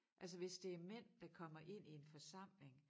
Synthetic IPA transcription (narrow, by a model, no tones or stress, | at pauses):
ʔæls̬əʋe̝sd̥e̝æɐmen̰d̥ɑ̈kʰɒ̽m̰ɐʔe̝n̰ie̝nfɒ̽sɑ̈m̰le̝ŋ